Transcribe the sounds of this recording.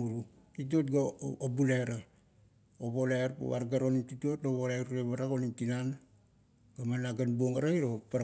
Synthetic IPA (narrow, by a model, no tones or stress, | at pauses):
uɾu | tit̬ot̚ɡaobuleɾa | oβo̞laɾpo̰βaɾɡaɾo̞nitito̞toβolaɾuɾeβaɾako̞nimtinan | ɡ̥amanaɡanbuoŋaɾaiɾopa